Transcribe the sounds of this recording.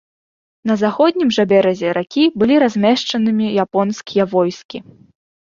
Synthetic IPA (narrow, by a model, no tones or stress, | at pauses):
n̪ɐzaxɔd̪ʲnʲimʐɐbʲɛɾɐzʲɛɾakʲibɨlʲiɾazʲmʲɛʂt͡ʂɐnɨmʲijapɔnskʲijavɔjskʲi